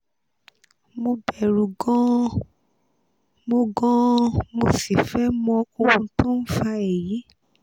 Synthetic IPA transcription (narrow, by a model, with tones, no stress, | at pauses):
mo˧bɛ˨ɾu˨ɡɔ̃˦ | mo˧ɡɔ̃˦mo˧si˨fɛ˦mɔ̃˧o˧ũ˧tõ˦n̩˦fa˧e˨ji˨˦